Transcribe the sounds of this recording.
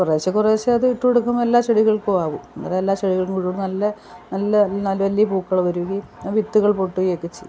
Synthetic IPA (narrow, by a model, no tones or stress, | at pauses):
kureːt͡ɕːɐkureːt͡ɕːɐɐðɨiʈːueɽuk̬ːumelːaːt͡ɕeɽiɣɐɭkuaːʋunːɐ̰ðɐelːaːɕeɽiɣɐɭkuŋkuɻuɽnɐlːɐ | nɐlːɐnɐlːɐʋɐlːijɐpuːkːɐɭʋɐɾuiʋit̪ːuɣɐɭpoʈːuɣokːet͡ɕːḛj